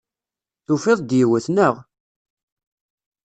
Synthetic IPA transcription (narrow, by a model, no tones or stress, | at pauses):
θufɪðˤd̪jiwəθnəʁ